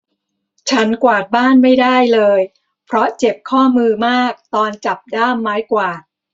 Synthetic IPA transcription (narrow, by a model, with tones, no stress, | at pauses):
t͡ɕʰa˦˥nkwaː˨˩t̪̚baː˥˩nma˥˩jdaː˥˩jlɤː˧j | pʰɾɔ˦˥t͡ɕe˨˩p̚kʰɔː˥˩mɯː˧maː˥˩k̚t̪ɔː˧nt͡ɕa˨˩p̚daː˥˩mːaː˦˥jkwaː˨˩